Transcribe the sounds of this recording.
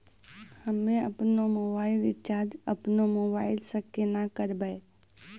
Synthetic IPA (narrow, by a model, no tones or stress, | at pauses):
həmẽɐ̰pnomoːbaːɪlɪtt͡ʃaːɾd͡ʒɐ̰pnomoːbaːɪlsəkːenakəɾbəe